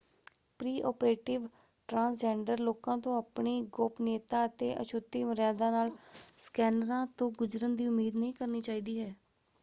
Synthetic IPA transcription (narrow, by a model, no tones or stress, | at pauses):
pɾiːʔɔ̰ːpɾeːʈɪʋ | ʈɾãːsd͡ʒɛːɳɖəɾloːkãːt̪õːaːpɳeːɡopneːt̪aːət̪eːʔə̰ʃʊt̪ːiːʋəɾjaːd̪ãːnaːlskɛːnəɾãːt̪õːɡʊd͡ʒɾənd̪iːʊmːeːd̪nəɦĩːkəɾniːt͡ʃaːiːd̪iːɦɛː